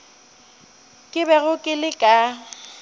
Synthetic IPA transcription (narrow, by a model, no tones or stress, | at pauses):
kʼɪbɛɣʊkʼɪlɪkʼa